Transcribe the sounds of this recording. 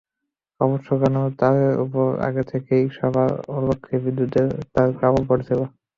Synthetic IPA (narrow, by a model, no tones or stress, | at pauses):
ɔboʃːokɛnot̪ad̪eɾṵpoɾa̰ɡet̪ʰekeiʃɔbʱaoɾbokʰːebid̪ːut̪eɾt̪aɾkɾabolpoɾet̪ʰeba